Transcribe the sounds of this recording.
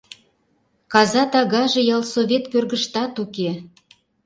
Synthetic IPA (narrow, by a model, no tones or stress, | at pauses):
kɑzɑt̪ɑɣɑʒĕjɑlsoβʲet̪kørɣəʃt̪ɑt̪uke